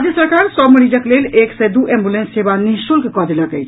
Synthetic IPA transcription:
d͡ʒjəsəɾkaɾsɔbməɾid͡ʒəkleleksɛjd̪uʔẽmbulensːebanisulkekɔd̪eləkəjt͡ʃʰ

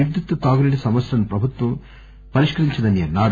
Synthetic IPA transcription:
id̪jut̪ːɐt̪aːɡuliɽisɐmɐsɾɐnɐpɾɐbʱut̪ʋɐm | pɐɾiʂkɐɾiɲt͡ʃɐd̪ɐnjɐnaːɽ

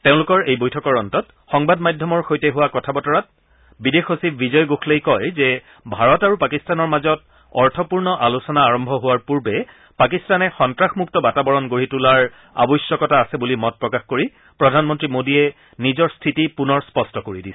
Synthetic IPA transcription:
teʊ̃lʊkɔɹejbojtʰɔkɔɹɔntɔt | xɔŋbadmajdʱjɔmɔɹxojtɛɦʊwakɔtʰabɔtɔɹat̚ | bidexosibbizɔjɡoxlejkɔjzɛ | bʱaɹɔtaɹupakistanɔɹmazɔt | ɔɹtʰɔpuɹnɔʔalusɔnaːɹɔmbʱɔɦʊwaɹpuɹbɛ | pak̬istanɛxɔntɹaxmuk̚tɔbatabɔɹɔnɡoɹitulaɹ | a̰bɔjsjɔkɔtaːsɛbulimɔt̚pɹɔkaxkoɹi | pɹɔdʱanmɔntɹimodiɛ | nizɔɹstʰitipunɔɹspɔstɔkoɹidisɛ̥

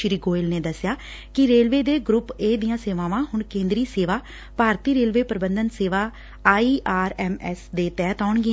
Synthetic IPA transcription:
ʃɾiːɡoːɪlneːd̪əsjaː | kɪɾeːlʋeːd̪eːɡɾʊpeːd̪ɪjãːseːʋãːʋãːhʊɳkẽːnd̪ɾiːseːʋaː | paːɾt̪iːɾeːlʋeːpəɾɪbənd̪ənseːʋaː | aːiːʔaːɾɛːmɛːsd̪eːt̪ɛːt̪aːɳɡɪ

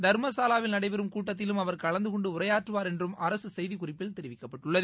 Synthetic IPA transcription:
d̪ɐɾmɐsaːlaːʋɪlnɐɽɐɪpɛɾɯmkuːʈːɐt̪̬ːɪlɯmɐʋɐɾkɐɭɐnd̪ɯkɔɳɖɯʊrɐjaːʈrɯʋaːɾɛndrɯmɐɾɐsɯsɛjðikʊrɪpːɪlt̪ɛɾɪʋɪkːɐpːɐʈːɯɭːɐð

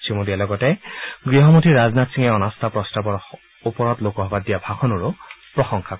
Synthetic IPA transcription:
sʰimodialɔɡɔtɛɡɹiɦɔmotʰiɹaznatsiŋɛɔnɔst̪ʰapɹɔstabɔɹ | upɔɹɔtlokɔɦɔbadijabʱakʰɔnuɹʊpɹɔxɔŋkʰa

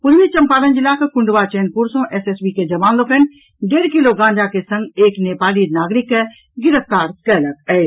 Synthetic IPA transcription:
pʊd͡ʒmit͡ʃɐmpaːɾənd͡ʒilakekʊɳɖʋat͡ʃeːnpuɾsõʔɛsesbiked͡ʒɐʋaːnlokən | ɖeːɾkiloɡãːɲd͡ʒakesə̃ŋɡeːkneːpaːlinaːɡɾɪkɛ | ɡɪɾəp̚ʰt̪aːɾkɛləkɛe

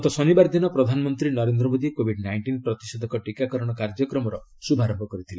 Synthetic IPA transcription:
t̪ɔsɔnibaɾd̪inɔpɾɔd̪ʱanɔmɔnt̪ɾinɔɾend̪ɾɔmod̪ikobʱiɖnajɳʈinpɾɔt̪isɔd̪ʱɔkɔʈikakɔɾɔɽ̃ɔkaɾd͡ʒɔkɾɔmɔɾɔ | subʱaɾɔmbʱɔkɔɾit̪ʰile

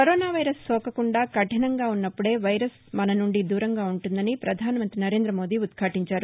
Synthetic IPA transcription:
kɐɾoːnaːʋɐjɾɐsːɔːkɐkuɳɖaːkɐʈʰinɐŋɡaːunːɐpːuɽe̞ːʋɐjɾɐs | mɐnɐnuɳɖid̪uːɾɐŋɡaːuɳʈund̪ɐnipɾɐd̪ʱaːnɐmɐnt̪ɾinɐɾe̞ːnd̪ɾɐmo̞ːd̪iːud̪kʰaːʈiɲt͡ʃaːɾu

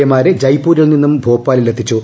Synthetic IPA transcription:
jɐmaːɾed͡ʑɐjpːuːɾɐɭninːumbʱoːpːaːlilet̪ʰːit͡ɕːu

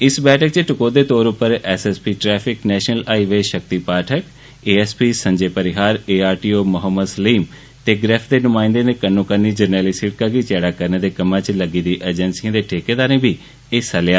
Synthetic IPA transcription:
ɪsbɛːʈʰək̚t͡ʃəʈʊkoːd̪eːt̪oːɾʊpːəɾɛsɛspiːʈɾɛːfʰɪknɛːʃənəlaːiʋeːʃək̚t̪iːpaːʈʰək | eːɛːspiːsə̃ɲd͡ʒeːpəɾɪɦaːɾeːaːɾʈiːoːmʊɦəmːəd̪səliːm | t̪eːɡɾeːfʰd̪eːnʊmãːɪ̃nd̪ẽd̪eːkənːõːkəniːd͡ʒəɾnɛːlisiʈ̚kaɡit͡ʃɛːɽaːkəɾned̪eːkəmãːt͡ʃləɡiːd̪iːʔeːd͡ʒənsiãːd̪eːʈʰeːkeːd̪aːɾẽːbʱiː | esəljaː

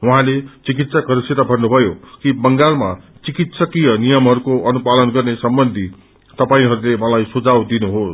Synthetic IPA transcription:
wuɦãlet͡sik̬it̪sakʌɾisit̪abʱʌnnubʱʌjokibʌŋɡalmat͡sikit̪sʌkijʌnijʌmɦʌɾukoʌnupalʌnɡʌrnesʌmbʌnd̪ʱi | t̪ʌpaĩɦʌɾulemʌlajsud͡zawd̪inuɦos

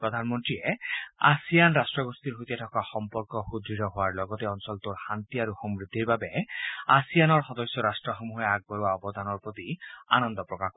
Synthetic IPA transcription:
pɹɔd̪ʱanmɔntɹiea̰sijanɾasʈɹɔɡost̪iɾɦut̪iatʰɔkaxɔmpɔɹkɔxud̪ʱɾiɾɔɦoaɹlɔɡɔt̪ɛɔnsɔlt̪oɹxant̪iaɾuxɔmɹid̪ʱːiɹbabeasijanɔɹxɔd̪ɔsjɔɾasʈɹɔxomuɦeaɡ̚bɔɾuwaɔbɔd̪ʱanɔɹpɹot̪ia̰nɔnd̪ɔpɹɔka

